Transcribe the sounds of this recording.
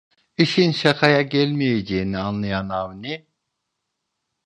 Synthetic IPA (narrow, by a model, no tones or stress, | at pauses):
iʃinʃakʰajaɟælʲmejed͡ʒeinianlˠajanavni